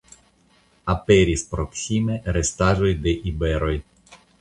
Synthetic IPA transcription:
apeɾispɾoksʲimeɾest̪aʒo̞jd̪eʔibeɾo̞j

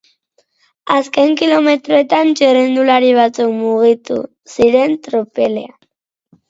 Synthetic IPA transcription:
aske̞ŋkilo̞me̞t̪ɾoe̞t̪ant͡ʃerend̪ulaɾiβ̞at͡sukmuɣit̪ṵ | siɾe̞nt̪ɾopelea

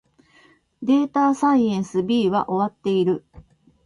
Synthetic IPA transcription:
d̪e̞ːt̪aːsaiẽɰ̃sɨbʲiːβa̰ʔo̞βat̪ːe̞iɾɯ̟

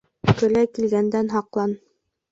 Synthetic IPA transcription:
kɵ̆lækilɡænd̪ænɦɑqlˠɑn

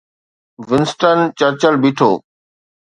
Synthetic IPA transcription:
ʋɪnsʈənt͡ɕəɾt͡ɕəlbiʈʰoː

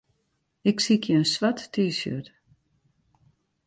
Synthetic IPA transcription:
ɪksikʰjəənsʋatːiːsjø̰t

